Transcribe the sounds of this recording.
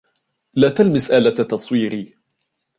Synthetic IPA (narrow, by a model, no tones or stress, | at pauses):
laːt̪almɪsʔaːlat̪ɑsˤwiːɾiː